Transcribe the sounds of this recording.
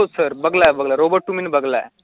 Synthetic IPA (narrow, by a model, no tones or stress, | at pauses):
osəɾbəɡlabəɡlaɾobəʈːumiːnbəɡlaḛ